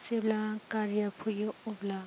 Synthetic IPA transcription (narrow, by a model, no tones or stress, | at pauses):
seblakaɾijapʰujoubla